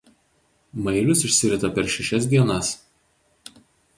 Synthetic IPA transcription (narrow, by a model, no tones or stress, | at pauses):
mɐɪlʲʊsɪʃʲsʲɪɾʲɪt̪ɐpʲɛɾʃʲɛʃʲɛs̬d̪ʲiɛnɐs